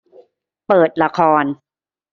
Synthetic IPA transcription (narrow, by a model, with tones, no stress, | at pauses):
pɤː˨˩t̪̚la˧kʰɔː˧n